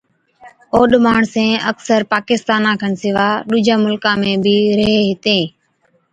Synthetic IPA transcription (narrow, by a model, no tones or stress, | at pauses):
oːɗɪmaːɳsẽːəksəɾpaːkɪst̪aːnãːkʰəɳsɪʋaːɗuːd͡ʒʱãːmʊlkãːmẽːbʱiːɾəɦeːɦɪt̪eː